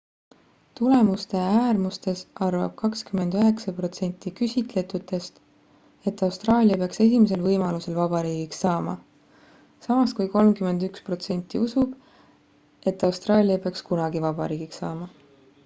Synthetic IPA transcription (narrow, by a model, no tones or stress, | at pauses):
t̪ule̞must̪e̞æːrmust̪e̞sʔɑrvɑ̰b̥̚kɑkskyme̞nd̪øɦe̞ksɑpro̞t̪se̞nʲt̪ːˑikysʲit̪le̞t̪ˑut̪ːˑe̞st̪ | e̞t̪ːˑɑwst̪rɑːlʲiɑpeɑkse̞simes̬e̞lvɤjmɑluse̞lvɑb̥ɑɾiːɡiksːɑːmɑ̰ | sɑmɑskujko̞lmkyme̞nd̪ykspro̞t̪se̞nʲt̪ːˑiʔusub̥ | e̞t̪ːˑɑwst̪rɑːlʲiɑpe̞ɑkskunɑɡivɑbɑ̰ɾiːɡiksːɑːmɑ